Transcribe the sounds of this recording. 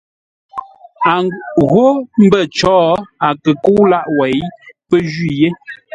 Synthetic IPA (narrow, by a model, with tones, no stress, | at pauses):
a˨ɣo˦m̩˦bə˦˨t͡ʃɔː˨˦a˨kə˨ku˦wla˦ʔwɛ˨˦jpə˦d͡ʒɥi˦˨je˦